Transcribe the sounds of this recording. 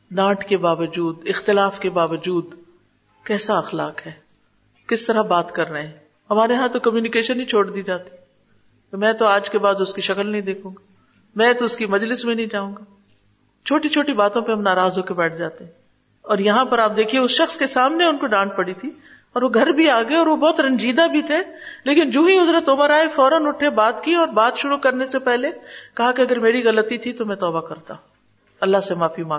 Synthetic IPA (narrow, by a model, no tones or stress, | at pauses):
naːʈʰkebaːʋəd͡ʒuːd̪ɪxt̪ɪlaːfkebaːʋəd͡ʒuːd̪ | kɛːsaɐxlaːkɦɛː | kɪst̪ɐɾabaːt̪kɐɾːɐeɦɛ̃ː | ɦɐmaːɾeɦãt̪okɐmjuːnɪkeːʃənɦĩt͡ʃʰoːɽd̪iːd͡ʒaːt̪i̥ | mɛ̃ːt̪oaːd͡ʒkebaːd̪ʊskiʃɐkəlnɐɦĩd̪eːkʰũːŋɡa | mɛ̃ːt̪oʊskimɐd͡ʒlɪsmẽnɐɦĩd͡ʒaːũːŋɡaː | t͡ʃʰoːʈit͡ʃʰoːʈibaːt̪õpeɦɐmnaːɾaːzɦoːkebɛːʈʰd͡ʒaːt̪eɦɛ̃ | ɔːɾjɐɦãpɐɾaːp̚d̪eːkʰieʊsʃɐxskesaːmneʊnkoɖãːʈ̚pɐɽit̪ʰi | ɔːɾʋoɡʱɐɾbʱiaːɡɐeɔːɾʋobɔːt̪ɾɐ̃nd͡ʒiːd̪abʱit̪ʰeleːkɪnd͡ʒũːɦĩɦʊzɾət̪ʊməɾaːefɔːɾənʊʈʰebaːt̪kiɔːɾbaːt̪ʃʊɾukɐɾnesepɛɦlekɐɦakeɐɡəɾmeːɾiɣɐlət̪it̪ʰit̪omɛ̃t̪ɔːbakɐɾt̪ã | ɐlːasemaːfimãː